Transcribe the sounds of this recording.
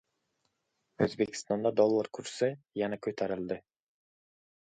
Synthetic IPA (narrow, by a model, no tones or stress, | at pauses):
ø̰zbekʲi̥st̪ɑnd̪ɑd̪olˠːaɾkʰyɾsɛjænɑkʲʰøt̪ʰæɾɪlˠd̪ɪ